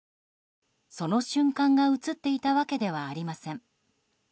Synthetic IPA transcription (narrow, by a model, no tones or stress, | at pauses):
so̞no̞ɕɨ̃ŋkãŋɡaɯ̟t͡sɨt̪ːe̞it̪aβake̞d̪e̞β̞aːɾʲimasẽŋ